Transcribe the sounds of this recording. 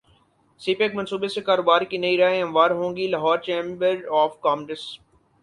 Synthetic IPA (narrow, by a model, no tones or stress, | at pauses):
siːpekmɐ̃nsuːbesekaːɾoːbaːɾkinɐiɾaːeɐ̃mʋaːɾɦõːŋɡilɐɦɔːɾt͡ʃẽːmbəɾɔːfkaːmɖɪs